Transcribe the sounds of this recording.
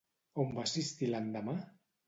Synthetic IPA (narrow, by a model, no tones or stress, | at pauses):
ombasist̪iland̪ama